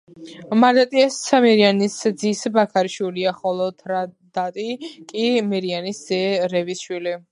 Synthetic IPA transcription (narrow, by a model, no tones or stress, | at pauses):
maɾd̪at̪ʼiɛsʰamɛɾianisd̪zisbakʰaɾiʃwiliaχɔlˠɔt̪ʰɾa | d̪̥at̪ʼikʼimɛɾianisz̥ɛɾɛvisʃwili